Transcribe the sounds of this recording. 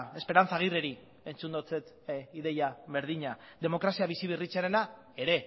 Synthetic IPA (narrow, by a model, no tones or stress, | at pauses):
e̞spe̞ɾant͡saɣ̞ireɾi | e̞nt͡sund̪ot͡set̪ | iðe̞jaβe̞ɾðiɲad̪e̞mo̞kɾasiaβisiβirit͡seɾe̞na | e̞ɾe̞